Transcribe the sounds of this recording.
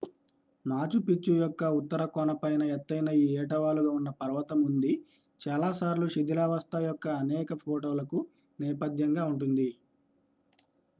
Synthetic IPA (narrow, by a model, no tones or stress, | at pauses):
naːt͡ʃupit͡ʃːujɔkːɐut̪ːɐɾɐkɔːɳɐpɐjnɐɛt̪ːɐjnɐiːɛːʈɐʋaːluɡaːunːɐpɐɾɐʋɐt̪ɐmund̪i | t͡ʃaːlaːsaːɾluʃid̪ilaːʋɐst̪ajɔkːɐːnɛːkɐpʰoːʈoːlɐku | nɛːpɐd̪jɐŋɡaːuɳʈund̪i